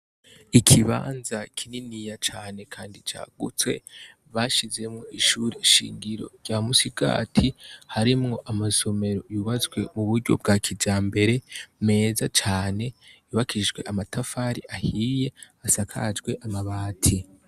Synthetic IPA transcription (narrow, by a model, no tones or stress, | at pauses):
ikʰiβa̰ːnzakʰininijat͡ʃaːne̞kʰaːndit͡ʃa̰ːɡ̥ut͡swe̞̰ | βaʃize̞mŋo̞iʃuɾiʃḭːŋɡiɾo̞̰̥ɟamusiɡa̰ːtʰihaɾimŋo̞ʔamaso̞me̞ɾo̞juβazɡwe̞muβuɾɟo̞̰bɡakʰid͡ʒaːmbe̞ɾe̞me̞ːzat͡ʃaːne̞juβakʰid͡ʒɡwe̞̰ʔamatafaɾiʔahije̞ | asakʰa̰d͡ʒɡwe̞ʔamaβaːtʰi